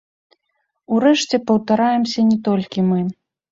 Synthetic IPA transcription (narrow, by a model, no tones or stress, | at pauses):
uɾɛʂt͡sʲɛpɐwt̪aɾajɛmsʲɐnʲɛt̪ɔlʲkʲimɨ